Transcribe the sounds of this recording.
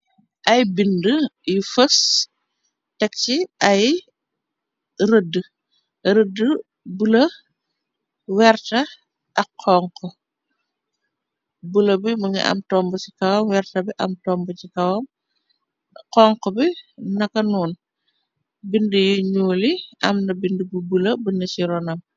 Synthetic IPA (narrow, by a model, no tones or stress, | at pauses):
ʔɐjbindəjifəs | tɛk̚ciʔɐj | ɾədə | ɾədə | bulɐ | wɛɾtɐ | ʔɐkʰːɔːŋkɔ | bulɐbimuɲḭʔɐ̰mtɔːmbəsikɐwɐmwɛrtɐbiʔɐmtɔːmbəcikɐwɐm | qɔŋkɔbinɐkɐnuːn | bindəjuɲuːliʔɐmnɐbindəbubulɐbənɐt͡ʃiɾɔnɐm